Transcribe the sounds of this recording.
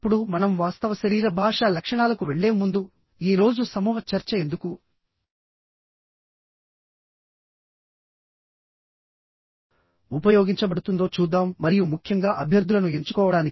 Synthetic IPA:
pːuɽumɐnɐmʋaːst̪ɐʋɐʃɐɾiːɾɐbʱaːʂaːlɐkʂɐɳaːlɐkuʋe̞ɭːe̞ːmund̪u | iːɾo̞ːd͡ʒusɐmuːɦɐt͡ʃɐɾt͡ʃɐe̞nd̪uku | upɐjoːɡiɲt͡ʃɐbɐɽut̪und̪o̞ːt͡ʃuːd̪ːaːmːɐɾijumukʰjɐŋɡaːʔɐbʱjɐɾd̪ʱulɐnue̞ɲt͡ʃu̥kɔːʋɐɽaːni

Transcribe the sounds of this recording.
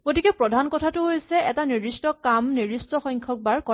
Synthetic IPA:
ɡotikɛpɹɔdʱankɔtʰatʊɦojsɛɛtaniistɔkamniɹistɔxɔjŋkʰɔk̚baɹkɔ

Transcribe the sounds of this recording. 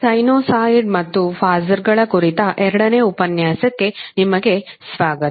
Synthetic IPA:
sɐjnoːsaːjiɖmɐt̪ːupʰaːzɐɾɡɐɭɐkuɾit̪ɐʔɛɾɐɽɐne̞ːupɐnjaːsɐkːe̞nimɐɡe̞ | sʋaːɡɐt̪

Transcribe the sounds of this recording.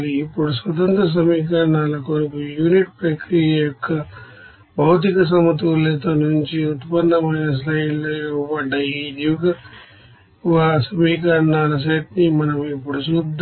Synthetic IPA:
liːpːuɽusʋɐt̪̬ɐnt̪ɾɐs̬ɐmiːk̬ɐɾnaːlɐkonikujuːniʈpɾekɾiɐjɔkːɐ | bʱɐwt̪̬ikɐs̬ɐmɐt̪ulet̪ɐnuɲt͡ʃiut̪pɐnːɐmɐjnɐs̬lɐjilɐʋɐɖɐjid̪ikɐ | ʋaːsɐmiːkɐɾnaːlɐs̬eʈnimɐnɐmipːuɽusud̪

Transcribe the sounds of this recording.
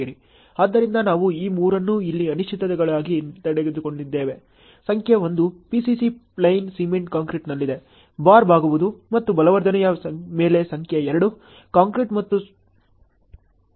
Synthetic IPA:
iɾi | aːd̪ːɐɾind̪ɐnaːʋuiːmuːɾɐnːuilːiɐniʃt͡ʃʰit̪ːɐt̪ɛɡɐɭaːɡit̪ɐɽeɡed̪uko̞ɳɖid̪ːe̞ːʋe̞ | sɐŋkʰjɐʋo̞nd̪upisisiplɐjnsiːmeɳʈkaːŋkɾiʈnɐlːid̪e̞ | baːɾbʱaːɡuʋud̪umɐt̪ːubɐlɐʋɐɾd̪ʱɐnɐjɐsɐme̞ːle̞sɐŋkʰjɐɛɾɐɽu | kaːŋkɾiʈmɐt̪ːu

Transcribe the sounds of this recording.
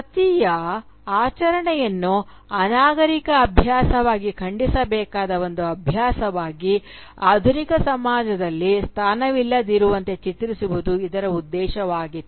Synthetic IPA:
ɐt̪ijɐ | aːt͡ʃɐɾɐɳɛjɐnːu | ɐnaːɡɐɾikɐːbʱjaːsɐʋaːɡikʰɐɳɖisɐbɛːkaːd̪ɐʋo̞nd̪uɐbʱjaːsɐʋaːɡi | aːd̪ʱunikɐsɐmaːd͡ʒɐd̪ɐlːist̪ʰaːnɐʋilːɐd̪iɾuʋɐnt̪e̞t͡ʃit̪ɾisubud̪uid̪ɐɾɐud̪ːɛːʃɐʋaːɡit̪ːu

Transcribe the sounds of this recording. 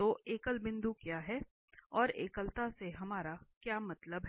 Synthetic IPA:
t̪oːʔeːkəlbɪ̃nd̪ukjaːɦɛ | ɔːɾeːkəlt̪aseɦɐmaːɾakjaːmɐt̪ləbɦ

